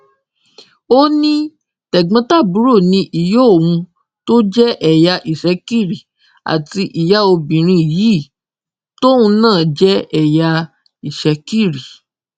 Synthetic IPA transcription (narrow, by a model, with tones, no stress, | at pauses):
o˦nĩ˦ | tɛ˨ɡ͡bã˧˦ta˦˨bu˨˦ɾo˦˨nĩ˧˦ʔi˨jo˦o˨wũ˧ | to˦d͡ʒɛ˦ʔɛ˨ja˧ʔi˨ʃɛ˨˦ki˦˨ɾi˨ | a̰˨ti˧ʔi˨ja˦o˧bĩ˨ɾ̃ĩ˧˨jiː˨˦˨ | to˦wũ˧nãː˦˨d͡ʒɛ˦ɛ˨ja˧ | i˨ʃɛ˨˦ki˦˨ɾi˨